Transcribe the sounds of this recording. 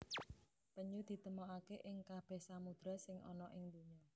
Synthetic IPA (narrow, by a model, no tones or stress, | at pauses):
pəɲud̪̥i̤t̪əmɔakeʔɪŋkab̥ɛ̤hsamud̪̥ɾa̤sɪŋʔɔ̰nɔʔɪŋd̪̥uɲɔ